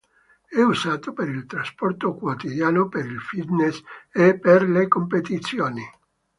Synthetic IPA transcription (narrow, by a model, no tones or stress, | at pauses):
ɛuzaːt̪opeɾilt̪ɾaspɔrt̪okwot̪id̪jaːnopeɾilfid̪nesepːerlekompet̪it̪sːjoːni